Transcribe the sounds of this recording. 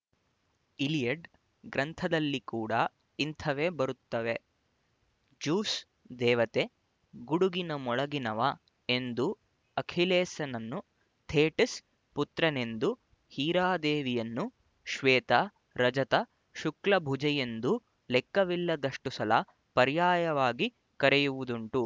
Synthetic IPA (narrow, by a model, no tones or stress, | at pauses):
ilijɐɖ | ɡɾɐnt̪ʰɐd̪ɐlːikuːɽɐ | int̪ʰɐʋeːbɐɾut̪ːɐʋe̞ | d͡ʒuːs | d̪ɛːʋɐt̪e | ɡuɽuɡinɐmɔɭɐɡinɐʋɐ | e̞nd̪u | ɐkʰileːsɐnɐnːu | t̪ʰeːʈɐs | put̪ɾɐne̞nd̪u | hiːɾaːd̪eːʋijɐnːu | ʃʋɛːt̪ɐ | ɾɐd͡ʒɐt̪ɐ | ʃuklɐbʱud͡ʒɐje̞nd̪u | lɛkːɐʋilːɐd̪ɐʂʈusɐlɐ | pɐɾjaːjɐʋaːɡi | kɐɾɛjuʋud̪uɳʈu